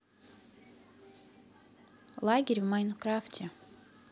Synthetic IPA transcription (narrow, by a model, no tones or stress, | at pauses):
lˠaɡʲeɾʲvmajnokɾaftʲe